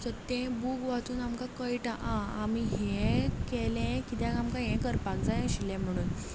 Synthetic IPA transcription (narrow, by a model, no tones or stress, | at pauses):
sət̪ẽbuɡʋat͡s̪uːnamkãkəjʈaʔãamiɦẽkelɛ̃kit̪ɛ̃kamkãɦɛ̃kəɾpak̚d͡zajẽɕilɛ̃m̤əɽ̃uːn